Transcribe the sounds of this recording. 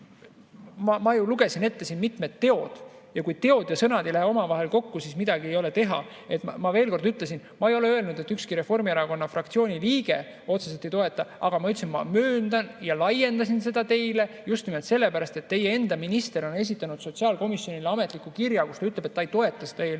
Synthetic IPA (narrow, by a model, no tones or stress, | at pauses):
mɑmɑjuluɡe̞sine̞t̪ːe̞sinmit̪met̪ːe̞o̞d̪̥jɑkujt̪e̞o̞d̪̥jɑsɤnɑd̪e̞jlæɦeo̞mɑvɑɦe̞lko̞kːusismid̪̥ɑɡ̥ie̞jo̞le̞t̪e̞ɦɑ̰ | e̞t̪ːˑmɑmɑve̞ːlko̞rd̪yt̪le̞sinmɑejo̞le̞ø̞elnud̪e̞t̪ːykskiɾe̞fo̞rmieɾɑko̞nːɑfrɑkt̪sio̞ːnʲiliːɡe̞ | o̞t̪seselt̪ːe̞jt̪oe̞t̪ːˑɑʔɑɡ̥ɑmɑyt̪sinmɑmøːnd̪̥ɑnjɑlɑje̞nd̪ɑsinse̞d̪̥ɑt̪e̞jle̞ | just̪nimelt̪se̞lːe̞pæɾɑst̪et̪ːe̞jee̞nd̪̥ɑminist̪e̞ɾo̞ne̞s̬ʲit̪ːˑɑnud̪̥so̞t̪siɑːlko̞misjo̞nʲileɑmet̪ˑlikːˑukirjɑkust̪ɑyt̪le̞b̥et̪ːɑejt̪o̞e̞t̪ˑːɑsed̪ɑel